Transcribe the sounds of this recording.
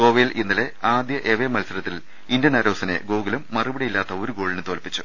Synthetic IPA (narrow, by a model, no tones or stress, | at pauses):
o̞ːʋelinːɐle̞aːd̪jɐʔeʋemɐlsɐɾɐt̪ːil | indjɐnaːɾo̞ːsɐne̞̰ɡoːɡɐlumːɐrubɐɽijilːaːt̪ːɐo̞ɾuɡo̞ːɭinɨt̪oːlpːit͡ɕːu